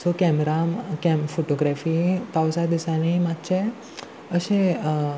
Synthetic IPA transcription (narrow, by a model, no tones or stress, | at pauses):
sokɛmɾamkɛmfoʈoɡɾafipawsad̪isaneimat̪t͡ɕe | əɕẽ